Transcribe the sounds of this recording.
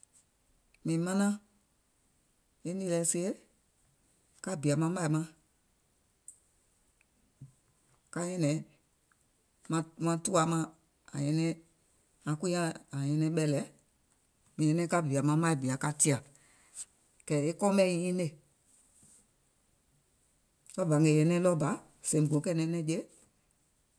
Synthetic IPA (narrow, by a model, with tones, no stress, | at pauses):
mĩː˨mã˦nã˦ | e˦ni˧˨lɛ˨se˦e˦ | ka˦bi˨a˨mã˧˦ma˧i˨mã˦ | ka˧jɛ̃˦nɛ̃˨˦ | mã˧mã˧tu˦a˨mã˧ | a̰˨jɛ̃˧nɛ̃˦ | ã˨˦ku˦ĩ˦ã˦a˨jɛ̃˧nɛ̃˧˦ɓɛ˧lɛ˨˦ | mĩ˨ɛ̃˦nɛ̃˦ka˦bi˨a˨mã˧˦ma˦i˨bi˨a˨ka˧ti˦a˨ | kɛ˨e˦kɔ̃˦mɛ̃˦ĩ˧˦ĩ˦ne˨ | lɔ˦ba˨ŋɡɛ˨jɛ̃˧nɛ̃˦lɔ˦ba˨˦ | sẽ˨bõ˨˦kɛ˦˨nɛ̃˧˦nɛ̃˧˦d͡ʒe˦